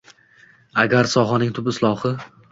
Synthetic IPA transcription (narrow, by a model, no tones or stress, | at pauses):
aɡʲaɾsɒɦɒnɪŋt̪ʰʊbɪslˠɒχɨ